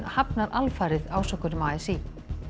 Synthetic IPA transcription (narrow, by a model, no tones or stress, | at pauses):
nhapnaɾʔalfaːɾɪðaːwsɔkːʏɾʏmaːɛsi